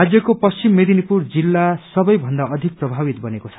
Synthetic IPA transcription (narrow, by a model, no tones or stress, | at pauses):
ad͡zjʌkopʌst͡simːed̪ʱinipurd͡zilːasʌbʌjbʱʌnd̪aʌd̪ʱik̚prʌbʱabit̪bʌnekot͡sʰʌ̥